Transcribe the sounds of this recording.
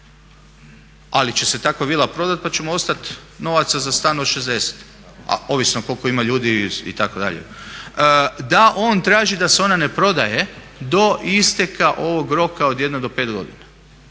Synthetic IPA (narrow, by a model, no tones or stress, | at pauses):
alit͡ɕese̞t̪akʋoʋiːlˠapɾo̞d̪at̪̚pat͡ɕe̞moost̪at̪no̞ʋat̪sazast̪aːnoʃezd̪e̞se̥t̪ | a̰oʋisnoko̞lko̞imaʎuːd̪iḭt̪ako̞d̪a̰ʎḛ | d̪aʔo̞ːnt̪ɾaːʒid̪aseo̞nane̞pɾo̞d̪aje̞ | d̪o̞ist̪ekaʔo̞ʋo̞ɡɾo̞kaod̪jed̪nod̪o̞peːt̪ɡo̞̰d̪ina